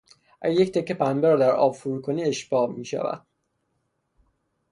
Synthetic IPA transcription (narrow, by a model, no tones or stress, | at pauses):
ʔæɟje̞ct̪ʰekʰːepʰæmbeɾɒːd̪æɾɒ̰ːbfuɾuːkʰo̞niːe̞ʃbɒːmiːʃæ̰væ̰d̪̥̚